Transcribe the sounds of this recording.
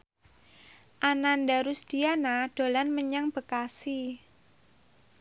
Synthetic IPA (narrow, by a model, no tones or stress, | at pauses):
ʔanandaɾusd̪̥ianad̪̥o̤lanməɲaŋb̥ə̤kasi